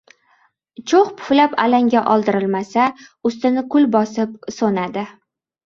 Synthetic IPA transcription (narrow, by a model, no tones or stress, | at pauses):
t͡ʃʰoχpʰʊ̥flapalaŋɡʲaʔɒlˠd̪ɪɾɪlmasaʊst̪ɪnɪkʰʊlbɒsɪp̚sonad̪ɪ